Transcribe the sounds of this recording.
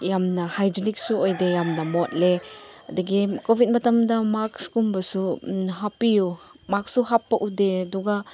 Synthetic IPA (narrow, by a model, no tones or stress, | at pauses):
jamnɐhajd͡ʒinik̚suojdejamnɐmɔt̚leɐdɐɡikobʱit̚mɐtɐmdɐmak̚skumbɐsuɦapiju | mak̚suɦapːɐʔudeduɡa